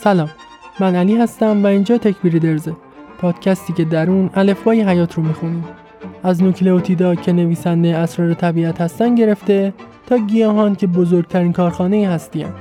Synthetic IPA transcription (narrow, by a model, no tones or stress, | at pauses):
sælɒːmː | ænæliːɦæst̪æmvæiːnd͡ʒɒːt̪ʰæcʰbiːɾid̪e̞ɾze | pʰɒːd̪̥cʰæst̪iːcʰe̞d̪æɾuːnæle̞fvɒːjeɦæjɒːt̪ʰɾomixuniːm | æznocleot̪ʰiːd̪ɒːcʰe̞ne̞viːsænd̪eæsɾɒːɾet̪ʰæbiːæt̪hæst̪ænd̪ɟe̞ɾe̞ft̪e̞ | t̪ʰɒːɟijɒːɦɒːncʰe̞bozoɾɡ̚t̪ʰæɾiːnkʰɒːɾxɒːne̞iːɦæst̪iːæ̰m